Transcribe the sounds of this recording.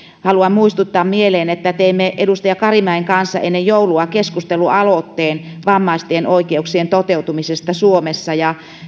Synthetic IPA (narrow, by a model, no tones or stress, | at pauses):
hɑluɑmmuist̪ut̪ːɑːmmieleːnet̪ːæt̪eimːeʔedust̪ɑjɑkɑrimæeŋkɑnsːɑ̰enːejjouluɑkeskust̪eluɑlot̪ːeːnʋɑmːɑist̪eenʔoikeuksient̪ot̪eut̪umisest̪ɑsuomesːɑjɑ